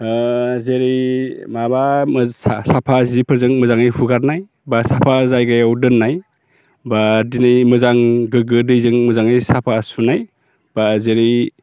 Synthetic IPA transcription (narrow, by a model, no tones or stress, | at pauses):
zeɾimabamsapʰazipʰɯɾzɯŋmɯzaŋɯjhuɡaɾnaj | basapʰazajɡajawdɯnːaj | badinajmɯzaŋɡɯɡɯdɯjzɯŋmɯzaŋɯjsapʰasunaj | b̥azeɾi